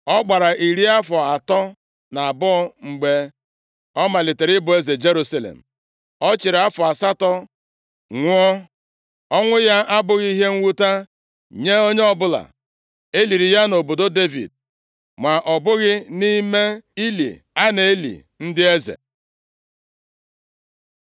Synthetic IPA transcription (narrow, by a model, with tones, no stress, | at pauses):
ɔ˦ɡ͡ba˨ɾa˨ʔi˨ɾi˦a˦fɔ˨a˨tɔ˦ | na˨a˨bɔ˦ŋ͡m̩˨ɡ͡be˦ | ɔ˦ma˨lɪ˨te˨ɾɪ˦bʊ˨e˦ze˨d͡ʒe˦ɾu˦sa˦lḛ˨m̩˨ | ɔ˦t͡ʃɪ˨ɾa˦fɔ˨a˨sa˦tɔ˦ | ŋʷʊ˦ɔ˦ | ɔ˦ŋʷʊ˦ja˦ʔa˦bʊ˦ɣi˦i˦ɦe˦ŋ̩˦wu˦ta˦ | ɲe˦o˦ɲe˦ɔ˦bʊ˦la̰˨ | e˦li˨ɾi˨ja˦no˨bo˨do˦de˦vḭ˨d̚ | ma˨ʔɔ˨bʊ˦ɣɪ˦ni˦me˦i˦lḭ˨ | a˦ne˨e˦lḭ˨ | n̩˦dɪ˦e˦zḛ˨